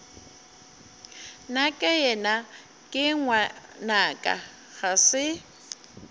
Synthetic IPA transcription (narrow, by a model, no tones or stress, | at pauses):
nakʼɛjɛna | kʼɪŋwanakʼa̰ | ɣasɪ